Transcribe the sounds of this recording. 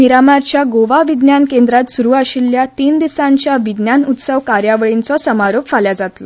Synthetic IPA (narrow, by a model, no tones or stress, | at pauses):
miɾamaɾt͡ɕjaɡoʋaʋid̪njankend̪ɾat̪suɾuːaɕilːjat̪iːnd̪isãɲt͡ɕjaʋid̪njanut̪səʋkaɾjaʋəɭint͡sɔsəmaɾopfaljad͡zat̪lɔ